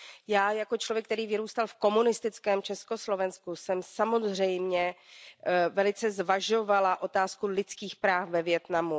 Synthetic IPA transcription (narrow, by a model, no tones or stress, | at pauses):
jaːjako̞t͡ʃlovjɛkt̪ɛɾiːvɪɾuːst̪alfko̞munɪst̪ɪt͡skɛːmt͡ʃɛsko̞slo̞vɛnskusɛmsamo̞zrɛjmɲɛ | vɛlɪt͡sɛzvaʒo̞valaʔo̞t̪aːskulɪt͡skiːxpɾaːfvɛvjɛt̪namu